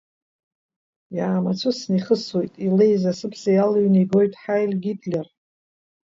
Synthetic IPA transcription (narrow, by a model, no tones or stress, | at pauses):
jaːmat͡sʷʰʊsniχəswejtʼilejzasɨpʰsajalɥniɡo̞jtʼħajlɡʲitʼlʲar